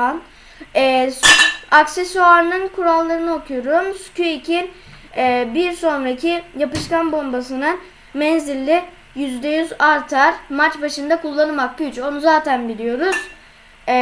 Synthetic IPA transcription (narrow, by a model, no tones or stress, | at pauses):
an | ɛː | aksesuaɾnɯnkʰuɾalˠːaɾɯnɯo̞kʰujoɾumscʰyicʰinː | biɾso̞nɾacʰijapɯʃkanbo̞mbasɯnɯn | mɛnzilʲːɪ | jyzd̪ɛjyzaɾt̪ʰaɾmat͡ʃbaʃɯnd̪akulˠːanɯmaklyyt͡ʃo̞nuzaːt̪ʰænbilʲijo̞ɾuz̥